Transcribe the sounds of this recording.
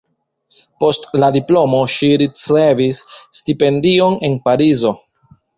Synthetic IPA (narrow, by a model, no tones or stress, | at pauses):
po̞stladiplo̞mo̞ʃiɾit͡se̞visːtipe̞ndio̞ne̞npaɾizo̞